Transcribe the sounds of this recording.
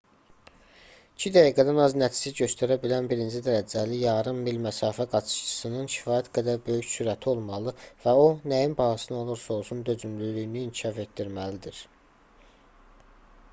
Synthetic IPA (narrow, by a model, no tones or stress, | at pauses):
icʰid̪æjiɡæd̪ænɑznæt͡ʃ̪ʰi̥siɟø̞st̪ʰæɾæbilænbiɾind͡ʒid̪æɾæd͡ʒælijɑːɾɯmːilmæsɑːfæɡɑt͡ʃ̪ʰɯ̥ʃt͡ʃʰɯ̥sɯnɯnʃʰi̥fɑːjæt̪ɡæd̪æɾbø̞jyçsyɾæt̪ʰio̞lˠmɑlˠɯvæo̞næjinbɑhɑsɯno̞lˠuɾsolˠsund̪ø̞zymlylyjiniːncʰiʃɑfe̞t̪d̪iɾmælid̪iɾ